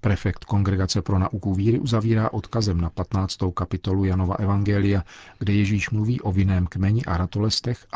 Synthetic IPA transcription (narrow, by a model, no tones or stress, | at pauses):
pɾɛfɛkt̪ko̞ŋɡɾɛɡat͡sɛpɾo̞naʔukuviːɾɪʔuzaviːɾaːʔo̞t̪kazɛmnapat̪naːt͡st̪o̞wkapɪt̪o̞lujano̞va̰ʔɛvaŋɡɛːlɪjaɡdɛjɛʒiːʃmluviːʔo̞vɪnɛːmkmɛɲɪʔaɾat̪olɛst̪ɛx